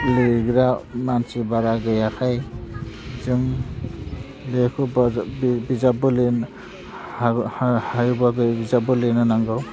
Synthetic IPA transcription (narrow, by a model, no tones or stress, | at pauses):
liɡɾamansibaɾaɡɯjakʰaj | zɯŋ | lekʰubbizabɯlin | hajubaɡɯbizabulinɯnaŋɡɔw